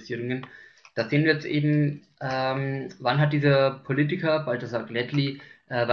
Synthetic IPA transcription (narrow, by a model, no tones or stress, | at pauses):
siːʁʊŋənd̥aːzeːənviːɐjɛt͡stʔeːbm̩ʔɛːmvanɦat̚d̥iːzɐpʰoliːtɪkɐbaltɐzaklɛtliʔɛːva